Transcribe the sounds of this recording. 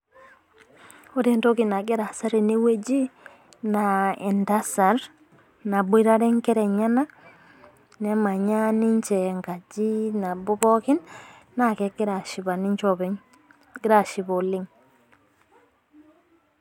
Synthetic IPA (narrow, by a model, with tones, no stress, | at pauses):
o˦de˦nto˦ki˨na˨ɡi˦ɾa˨sa˦ɾi˨ni˦we˦d͡ʒi˦ | na˨e˨nta˦sa˨ɾ | na˨bu˦i˦ɾa˦ɾe˦ŋke˦ɾe˨ɲa˦na˦ | ne˨ma˨ɲa˦ni˦ɲt͡ʃe˨ŋɡa˨d͡ʒi˦na˨bu˦bo˦ki˦nː | a˦ke˨ki˦ɾa˨ʃi˨ba˨ni˦ɲt͡ʃo˦be | ɡi˦ɾa˨ʃi˨bo˨li˦ŋ